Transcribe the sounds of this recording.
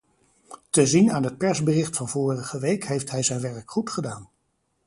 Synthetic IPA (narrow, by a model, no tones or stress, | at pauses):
təzinaːnɦət̚pɛɹzbərɪχtfɑnvʊːrəχəʋejkɦejftɦɛjzɛjnʋɛɹkχutχədaːn